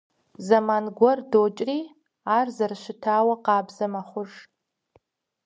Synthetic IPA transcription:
zamanɡʷɔrdot͡ʃʼri | aːrzarʃʷɪtʰaːwaqɑːbzɐmaχʷʊʐ

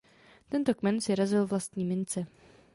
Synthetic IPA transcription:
t̪ɛnt̪o̞kmɛnsɪɾazɪlvlast̪ɲiːmɪnt͡sɛ

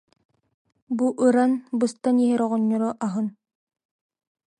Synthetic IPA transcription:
buʔɯɾanbɯst̪aniɦɛɾɔʁɔɲːɔɾɔʔaɦɯn

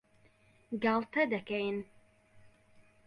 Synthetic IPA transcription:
ɡalˠt̪ʰɐd̪ɐkɛjn

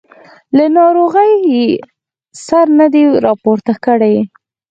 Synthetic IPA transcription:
lanɑɾoɣəje | saɾnad̪eɾɑpoɾt̪akəɽaj

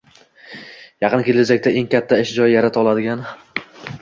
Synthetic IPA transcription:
jɑqɨnkʲʰelɪzakʲt̪ae̞ŋkʲʰat̪ʰːaɪʃd͡ʒɒjːaɾat̪ʰɒlˠad̪ɪɡʲan

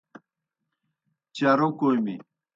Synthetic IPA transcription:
t͡ɕaɾokojmḭ

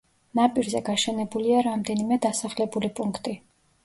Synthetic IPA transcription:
napʼiɾzɛɡaʃɛnɛbuliaɾamd̪ɛnimɛd̪asaχlɛbulipʼuŋkʰt̪ʼi

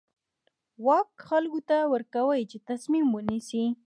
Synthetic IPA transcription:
wɑkxalkot̪awəɾkawəjt͡ʃet̪asmimwənisi

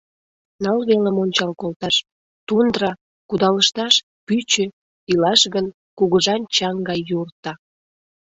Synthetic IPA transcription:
nɑlβeləmonʲt͡ɕɑlkolt̪ɑʃ | t̪und̪rɑ | kud̪ɑləʃt̪ɑʃ | pyt͡ɕø | ilɑʃɣən | kuɣəʒɑnt͡ɕɑŋɡɑjːurt̪ɑ

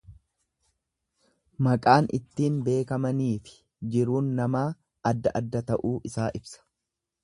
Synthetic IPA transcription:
mɐkʼaːnʔɪ̰t̪ːiːnbe̞ːkɐmɐniːfɪ̥ | d͡ʒɪɾuːnːɐmaː | ɐd̪ːɐʔɐd̪ːɐt̪ɐʔuːʔɪsaːʔɪbsɐ̥

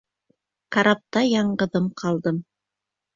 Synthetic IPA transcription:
kɑɾɑp̚t̪ɑjɑɴɢɤ̆ðɤmqʰɑlˠd̪ɤm

